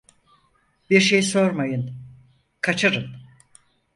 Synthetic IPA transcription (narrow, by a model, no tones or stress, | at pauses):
biɾʃe̞jso̞ɾmajɯn | kʰat͡ʃʰɯɾɯn